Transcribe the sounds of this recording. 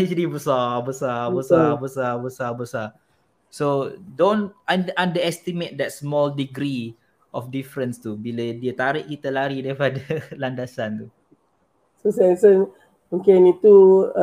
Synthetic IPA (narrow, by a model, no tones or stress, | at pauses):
ɛt͡ʃəlibəsabəsabəsabəsabəsabəsa | sodõnandʔãndəɛst̪imet̪̚dɛt̚smɔldiɡɾi | ʔɔfdifɾə̃nst̪ubilediət̪aɾiʔ̚kit̪əlaɾidɛfadəlandasant̪u | sosɛsən | muŋkɛnit̪u